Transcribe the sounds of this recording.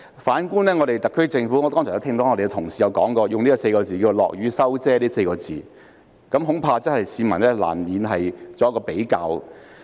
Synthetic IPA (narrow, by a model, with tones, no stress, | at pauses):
faː˨˥nkuː˥nlɛː˥ŋɔː˨˧ɾe˨jt̪ɐ˨kʰːɵ˥ɥt͡sɪ˧ŋfu˨˥ŋɔ˨˧t̪ɔː˥ŋsʰœː˨˩jɐ˥t̪ʰɪ˧ŋt̪o˨˦˥ŋɔ˨˧de˨˧t̪ʰʊ˨˩ŋsiː˨jɐ˨˧wkɔː˨˥ŋkɔː˧jʊ˨ŋli˥kɔ˧se˧jkɔː˧t͡siː˨kiː˧˨˧lɔ̰ː˨k̚jyː˨˥sɐ˥wt͡sɛː˥liː˥se˧jkɔː˧t͡siː˨ | kɐ˨˥mɦʊ˨˥ŋpʰaː˧t͡sɐ˥nhɐ˨jsiː˨˧mɐ̰˨˩nlɛː˥la̰ː˨˩nmiː˨˧nɦɐ˨jt͡sɔː˨˧jɐ˥kɔː˧pe˨˥jka̰ː˧w